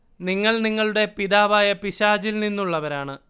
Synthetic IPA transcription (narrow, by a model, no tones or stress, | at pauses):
niŋːɐɭniŋːɐɭuɽe̞piðaːʋaːjɐpiɕaːd͡ʑilninːuɭːɐʋɐɾaːɳɨ